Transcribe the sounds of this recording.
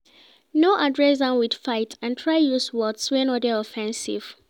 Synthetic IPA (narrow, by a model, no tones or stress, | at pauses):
noʔadɹɛsdãnwid̥faɪtãntʰɹaɪjuswɔtswɛ̃nɔdəɔfɛ̃nsḭv̥